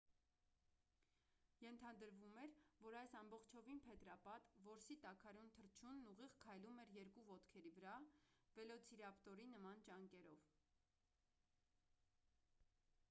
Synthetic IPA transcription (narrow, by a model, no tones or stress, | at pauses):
jɛnt̪ʰɑd̪əɾvumɛɾvɔɾɑjsɑmbɔχt͡ʃʰɔvinpʰɛt̪ɾɑpɑt̪vɔɾsit̪ɑkʰɑɾunt̪ʰəɾt͡ʃʰunːuʁiʁkʰɑjlumɛɾjɛɾkuvɔt̪kʰɛɾivəɾɑvɛlɔt͡sʰiɾɑpt̪ɔɾinəmɑnt͡ʃɑŋkɛɾɔv